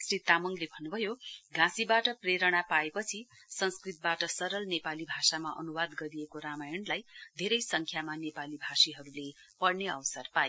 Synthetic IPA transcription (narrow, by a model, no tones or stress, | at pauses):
srit̪amʌŋlebʱʌnːubʱʌjoɡãsibaʈʌpreɾʌɽ̃apaepʌt͡sʰi | sʌnskrit̪̚baʈʌsʌɾʌlnepalibʱasamaʔʌ̰nubad̪ɡʌɾijekoɾamajʌɳlajd̪ʱeɾʌjsʌŋkʰjamanepalibʱasiɦʌɾulepʌɽneʌ̰wsʌrpaje